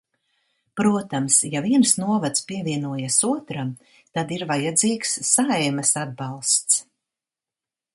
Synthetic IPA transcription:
pɾuɔt̪amsjaviɛnsnuɔvat̪spiɛvʲiɛnuɔjasuɔt̪ɾam | t̪ad̪iɾvajad̪ziːksːajmɐsad̪̚balˠst̪s

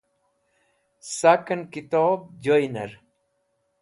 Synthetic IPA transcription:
sakɐnkit̪oːb̚d͡ʑojnɐ̰ɾ

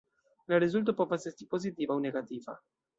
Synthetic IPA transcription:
laɾizult̪̬apɔfasɛɾsipozit̪iːvauneɡat̪iːva̰

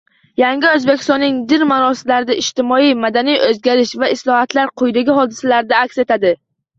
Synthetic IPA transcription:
jaŋɡʲɪɵzbekʲʰɪ̥st̪ɒnːɪŋd̪ɪɾmaɾɒsɪlaɾɪd̪aʔɪʃt̪ɪmɒijmad̪anijʔɵzɡʲaɾɪʃvaɪslˠɒhat̪laɾqʰʊjd̪aɡʲɪɦɒd̪ɪsalaɾɪd̪aːkʲse̞t̪ʰad̪ɪ

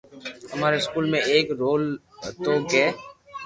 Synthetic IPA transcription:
ɦəmaːɾeskuːlmẽeːkɾoːl | t̪oːkeː

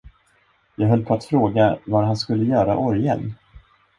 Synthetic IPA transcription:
jɑːɡɦœlːpʰɔat̪fɾoːɡavaɾɦanskɵlːəjœːɾa̰ʔɔɾjɛ̰l

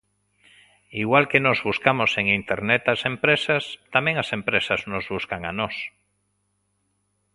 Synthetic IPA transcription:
iɣwalkenozβuskamoseŋint̪eɾnet̪asẽmpɾesast̪amẽŋasẽmpɾesaznozβuskaŋanos

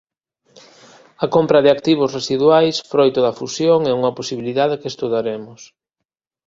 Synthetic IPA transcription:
ɐkompɾɐðɪakt̪iβ̞ʊsresiðwajsfɾojt̪oðɐfusjoŋɛuŋɐposiβiliðaðekest̪uðaɾemʊs

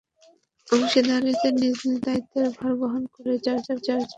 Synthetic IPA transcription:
obʃed̪aɾet̪eɾnizd̪id̪ait̪ʰːeɾbʱɔɾboɦonkoɾet͡ɕaɾt͡ɕaɾt͡ɕaɾt͡ɕa

